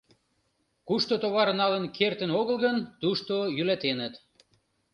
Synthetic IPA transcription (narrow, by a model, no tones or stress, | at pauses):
kuʃt̪ot̪oβɑɾnɑlənkʰert̪ənoɣəlˠɣənt̪uʃt̪ojylæt̪enət̪